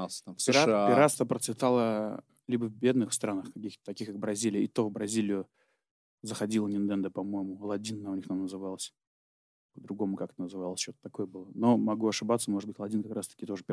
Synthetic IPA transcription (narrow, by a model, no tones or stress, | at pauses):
sʲɪɾapɪɾast̪əpɾət̪svʲɪt̪alˠə | lʲibəvbʲe̞d̪nɨxst̪ɾanəxkɐkʲixt̪ə̥t̪ɐkʲixkak̚bɾɐzʲilʲɪjəɪt̪o̞vbɾɐzʲilʲɪjʊ | zəxɐdʲilˠənʲɪnt̪ɛnd̪əpɐmo̞jɪmʊlˠɐdʲinːaʊnʲixt̪amnəzɨvalˠəsʲ | pəd̪ɾʊɡo̞mʊkakə̥t̪ənəzɨvalˠəsʲt͡ɕot̪ə̥t̪ɐko̞jəbɨlˠəno̞mɐɡuɐʂɨbat̪səmo̞ʐɨd̪bɨtʲlˠɐdʲinkɐkɾast̪ə̥kʲɪt̪o̞ʐɨpʲɪ